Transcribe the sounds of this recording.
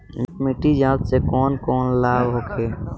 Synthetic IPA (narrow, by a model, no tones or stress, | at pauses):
mɪkmɪʈid͡ʒãːt̪sekɔːnkɔːnlaːbɦokʰeː